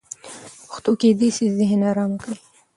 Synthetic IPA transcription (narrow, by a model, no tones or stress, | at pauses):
ʊxt̪uked̪isizɪɦnɑɾɑmkɽi